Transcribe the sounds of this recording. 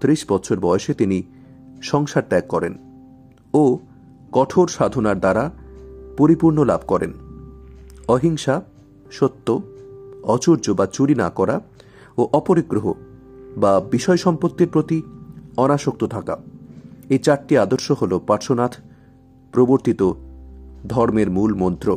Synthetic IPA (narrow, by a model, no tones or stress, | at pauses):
t̪ɾiʃbɔt̪ːɕʰoɾbɔeʃet̪ini | ʃɔŋʃaɾt̪ɛkkɔɾḛn | o | kɔʈʰoɾʃad̪ʱonaɾd̪aɾapoɾipuɾnola̰bʱkɔɾḛn | ɔɦiŋʃa | ʃot̪ːo | ɔt͡ɕuɾd͡ʑobat͡ɕuɾina̰kɔɾa | oʔɔpoɾiɡɾoɦo̰ | babiʃɔeʃɔmpot̪ːiɾpɾot̪iɔnaʃok̚t̪ot̪ʰaka̰ | et͡ɕaɾʈiad̪oɾʃoɦolopaɾʃonat̪ʰ | pɾoboɾt̪it̪o | d̪ʱɔɾmeɾmulmɔnt̪ɾo